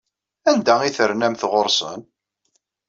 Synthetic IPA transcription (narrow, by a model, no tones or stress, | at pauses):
ænd̪æiθəɾnæmθʁʊɾˤsˤə̰n